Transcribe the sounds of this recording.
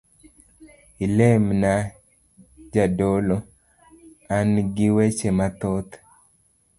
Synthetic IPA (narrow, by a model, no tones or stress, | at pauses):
ilemna | d͡ʒadolo | anɡɪwet͡ʃemat̪ɔt̪